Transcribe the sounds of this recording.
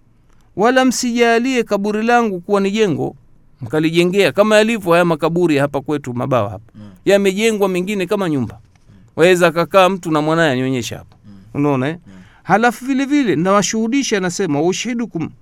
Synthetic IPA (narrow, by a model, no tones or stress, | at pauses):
walam̩siʄaːliɛkaɓuɾilaŋɡukuwaniʄɛŋɡɔ̰ | m̩kaliʄɛŋɡɛakamajalivjɔhajamakaɓuɾiahapakwɛtuma̰ɓaɔ̰ha̰pḁjamɛʄɛŋɡwamiŋɡinɛkamaɲumba | wʔawɛzaːkakaːm̩tunamwanajɛaɲiɔɲɛʃa̰ha̰pḁunaɔnaɛ | halafuvilɛvilɛnnawaʃuhuɗiʃanasɛmawauʃahiɗukum